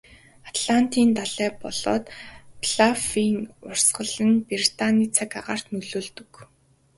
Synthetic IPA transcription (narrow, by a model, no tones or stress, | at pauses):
at̪ɮan̥t̪iːnt̪aɮæːpɔɮɔ̰ːt̪pɮafiːŋʊr̥sɢə̆ɮə̆npert̪ʰaniːt͡sʰakaʁaːr̥t̪nɵɮoːɮt̪ɵ̆k